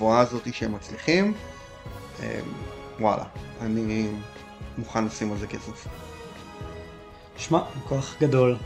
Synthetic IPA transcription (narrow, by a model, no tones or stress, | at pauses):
vuaːzo̞t̪iʃeemːat͡sliχim | ḛm | wa̰la̰ani | muχanlasimalze̞ke̞sef | ʃmamkoaχɡado̞l